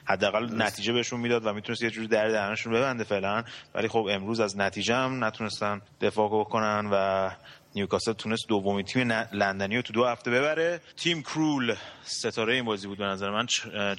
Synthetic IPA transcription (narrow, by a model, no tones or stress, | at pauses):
hæd̪ːæːɣælnæt̪ʰiːd͡ʒeβe̞eʃunmiːd̪ɒːd̪væmit̪ʰunest̪jed͡ʒuːɾid̪æɾd̪æɾæneʃunbe̞βænd̪efe̞ʔlænvæ̰liːxo̞be̞mɾuːzæznæt̪ʰiːd͡ʒeæmnæt̪ʰune̞st̪ænd̪e̞fɒːɡokʰo̞nænvænijukʰɒsel̚t̪ʰune̞st̪̚d̪ovːomint̪ʰiːmelænd̪æniːjot̪ʰud̪ohæft̪e̞be̞βæɾe̞t̪ʰiːmkʰɾulse̞t̪ʰɒːɾjeiːnbɒːziːbuːd̪be̞næzæɾemæn